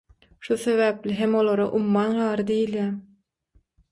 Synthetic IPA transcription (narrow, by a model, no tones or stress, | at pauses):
ʃuθe̞βæːplʲiɦemolˠoɾoʔumːɑnɢɑːɾɯd̪ejiljæm